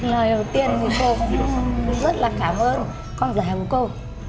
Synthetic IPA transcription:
ləː˨˩jɗə˨˩t̪i˧ənŋi˨˧˩ko˧˦˨ku˧˦ŋ͡mzə˦˥t̚laː˨˩kaː˧˩mʔəː˧n | kɔ˧nzəː˨˧˩hɛ˨˩ku˧˩˦ko˧w

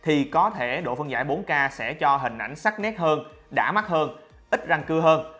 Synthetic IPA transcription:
t̪ʰi˨˩kɔ˨˦t̪ʰe˧˩ɗo̰˧˨fə˧ŋzaː˧˩jɓo˨˦nkaː˧sɛ̰˧˥t͡ɕɔ˧ɦï˨˩ŋ̟ʔa˧˩jŋ̟sa˦˥k̚nɛ˦˥t̚həː˧n | ɗa̰ː˧˥ma˦˥k̚həː˧n | ʔi˦˥t̚za˧ŋkɨ˧əɦəː˧n

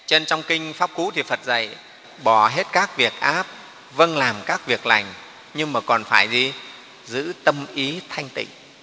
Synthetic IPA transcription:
t͡ɕe˧nt͡ɕɔ˧wŋ͡mkï˧ŋ̟faː˦˥p̚kṵ˧˥t̪ʰi˨˩fə˨˩t̚zə̰˨˧˩j | ɓɔ˧˩ɦe˦˥t̚kaː˦˥k̚vi˨˩ək̚ʔaː˦˥p̚ | və˧nlaː˨˩mkaː˦˥k̚vi˨˩ək̚la̰˨˩jŋ̟ | ɲɨ˧ŋmaː˨˩kɔ˨˩nfaː˧˩jzi˨˩ | zɨ̰˧˥t̪ə˧mʔi˨˦t̪ʰa˧jŋ̟t̪ḭ̈˧˨ŋ̟

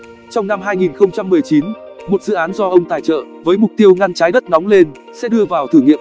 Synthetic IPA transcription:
t͡ɕɔ˧wŋ͡mna˧mɦaː˧jŋi˨˩nxə˧wŋ͡mt͡ɕa˧mːɨ˨˩əjt͡ɕi˨˦n | mo˨˩t̚zɨ̰˧˨ʔaː˨˦nzɔ˧ʔə˧wŋ͡mt̪aː˨˩jt͡ɕə̰ː˧˨vəː˨˦jmʊ˨˩k͡p̚t̪i˧əwŋa˧nt͡ɕaː˨˦jɗə˦˥t̚nɔ˨˦wŋ͡mle˧n | sɛ̰˧˥ɗɨ˧əvaː˨˩wt̪ʰɨ˧˩ŋḭ˧˨əm

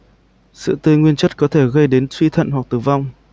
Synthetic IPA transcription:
sɨ̰˧˨t̪ɨ˧˩ŋwi˧ənt͡ɕə˦˥t̚kɔ˨˦t̪ʰe˧˩ɣə˧jɗe˨˦nswi˧t̪ʰə̰˧˨nɦwa˨˩k̚t̪ɨː˨˩va˧wŋ͡m

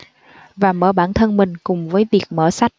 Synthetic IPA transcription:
vaː˨˩məː˧˩ɓaː˧˩nt̪ʰə˧nmï˨˩ŋ̟kʊ˨˩ŋ͡mvəː˨˦jvi˨˩ək̚məː˧˩sa˦˥jk̚

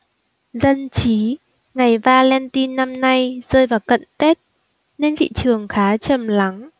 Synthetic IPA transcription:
zə˧nt͡ɕi˨˦ | ŋa˨˩jvaː˧lɛ˧nt̪i˧nːa˧mna˧jz̥əː˧jvaː˨˩wkə̰˧˨nt̪e˦˥t̚ | ne˧nt̪ʰḭ˧˨t͡ɕɨ˨˩əŋxaː˨˦t͡ɕə˨˩mla˨˦ŋ

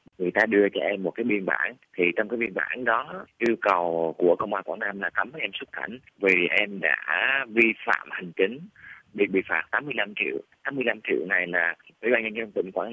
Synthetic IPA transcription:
ŋɨ˨˩əjt̪aː˧ɗɨ˧ət͡ɕɔ˧ʔɛ˧mːo˨˩t̚kaː˨˦jɓi˧ənɓa̰ː˧˩nt̪ʰi˨˩t͡ɕɔ˧ŋ͡mkaː˨˦jɓi˧ənɓa̰ː˧˩nɗɔ˨˦ʔi˧wkə˨˩wku˧˩əkə̰˧˨wŋ͡mʔaː˧˩kwaː˧˩naː˧mlaː˨˩t̪ə˨˦m˨˦ʔɛ˧mswə˦˥t̚ka̰˧˩jŋ̟ | vi˨˩ʔɛ˧mɗa̰ː˧˥vi˧fa̰ː˧˨mha˨˩ŋ̟t͡ɕi˨˦ŋ̟ɓi˨˩k̚ɓḭ˧˨˩fa̰ː˨˩m̚t̪aː˨˦mɨ˧əjla˧mt͡ɕḭ˧˨əwt̪aː˨˦mɨ˧əjla˧mt͡ɕḭ˧˨əwna˨˩jlaː˨˩w̰ɓaː˧nɲə˧ŋɔ˧ŋ͡mt̪ḭ˧˨ŋ̟kwaː˧˩n

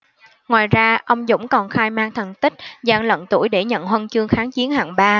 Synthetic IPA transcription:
ŋwaː˨˩jzaː˧ʔə˧wŋ͡mzʊ̰˧˥ŋ͡mkɔ˨˩nxaː˧jmaː˧ŋt̪ʰə˨˩nt̪ï˦˥k̟̚zaː˧˩ŋlə̰˧˨nt̪u˧˩əjɗe˧˩ɲə̰˧˨nɦwə˧nt͡ɕɨ˧əŋxaː˨˦ŋt͡ɕi˨˦ənha̰ː˨˩ŋɓaː˧

